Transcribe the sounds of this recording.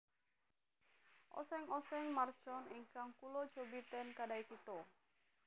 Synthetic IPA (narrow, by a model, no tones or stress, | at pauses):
ʔɔ̰sɛŋɔsɛŋmard̥ʒ̥ɔniŋkaŋkulod̥ʒ̥obit̪ɛnkadaikit̪o